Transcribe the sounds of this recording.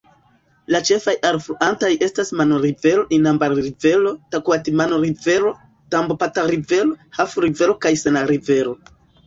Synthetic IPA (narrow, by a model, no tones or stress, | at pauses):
lat͡ʃe̞fajalfluʔantaje̞stasmanoɾive̞ɾo̞ʔinambaɾɾive̞lo̞takuatimanoɾive̞ɾo̞ | tambopataɾive̞lo̞hafuɾive̞ɾo̞kajse̞naɾive̞ɾo̞